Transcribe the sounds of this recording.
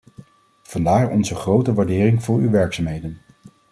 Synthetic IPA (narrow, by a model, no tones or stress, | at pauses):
v̥ɑndaːɹɔ̰nzəχrowtəʋaːɹdɪːrɪŋvʊːɹywʋɛɹksaːmɦejdən